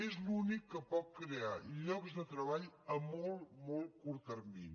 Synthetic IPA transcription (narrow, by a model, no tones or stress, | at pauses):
ezlunikːəpɔt̪̚kɾeaʎɔkzd̪ət̪ɾəβaʎəmɔlˠmɔlˠkuɾt̪ərmin